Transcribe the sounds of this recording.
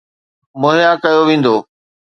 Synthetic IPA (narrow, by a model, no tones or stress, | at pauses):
moːɦɪjakɐjoʋẽːn̆d̪oː